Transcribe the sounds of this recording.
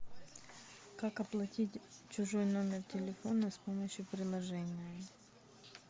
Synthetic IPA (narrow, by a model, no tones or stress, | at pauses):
kakɐplˠɐtʲitʲt͡ɕʊʐojno̞mʲɪrtʲɪlʲɪfo̞nɐspoməɕjʊpɾʲɪlˠɐʐɛnʲɪjə